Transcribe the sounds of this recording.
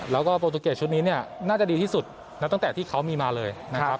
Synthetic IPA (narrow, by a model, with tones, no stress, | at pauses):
lɛː˦˥wkɔː˥˩poː˧t̪u˧keː˨˩t̚t͡ɕʰu˦t̪̚niː˦˥ni˥˩ɐnaː˥˩t͡ɕa˨˩diː˧t̪ʰiː˥˩su˨˩t̪̚ | na˦˥p̚t̪ŋt̪ɛː˨˩t̪ʰiː˥˩kʰa˦˥wmiː˧maː˧lɤː˧jna˦˥kʰa˦˥p̚